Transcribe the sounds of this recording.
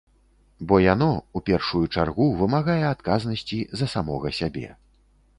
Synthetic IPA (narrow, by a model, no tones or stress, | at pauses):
bɔjan̪ɔupʲɛrʂujut͡ʂarɣuvɨmaɣajɛat̪kaznɐsʲt͡sʲizɐsamɔɣɐsʲabʲɛ̰